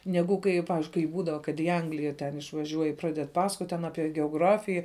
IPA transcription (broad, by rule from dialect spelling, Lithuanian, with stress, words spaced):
ˈnʲæːɡʊ kɐɪ jɛʊ ˈpɑːʋʲɪzʲd͡ʒʲʊɪ kɐɪ ˈbuːdɐʋɐ kɐt iː ˈɐŋɡlʲɪjɛ tʲɛn ɪʃʋɐˈʒʲuɔj ɪ ˈprɑːdʲɛt ˈpɑːsɐkoːtʲ tʲɛn ˈɑːpʲiɛ ɡʲɛoːˈɡrɑːfʲɪjɛ